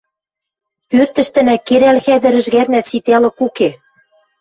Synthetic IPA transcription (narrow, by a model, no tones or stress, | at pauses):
pørt̪ɘ̆ʃt̪ɘ̆nækeɾælxæd̪ɘ̆ɾɘ̆ʒɣærnæsit̪elɤ̆kuke